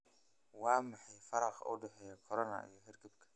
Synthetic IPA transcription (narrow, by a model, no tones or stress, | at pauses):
wɑːmɑħɑjfɐɾɑqʔʊ̰ɖɛħɛjɐkʰɔɾɔnɐ̰ʔḭjɔɦɛrɡɐbkʰɐ̥